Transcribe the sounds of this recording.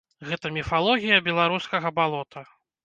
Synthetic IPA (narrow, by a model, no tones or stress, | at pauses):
ɣɛt̪ɐmʲifalˠɔɣʲijɐbʲɛlˠaɾuskɐɣɐbalˠɔt̪ʰɐ